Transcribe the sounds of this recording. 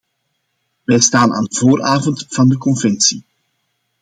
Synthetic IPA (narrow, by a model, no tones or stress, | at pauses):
ʋɛjstaːna̰ːndəvoːɾaːvɔntv̥ɑndəkɔnvɛnsi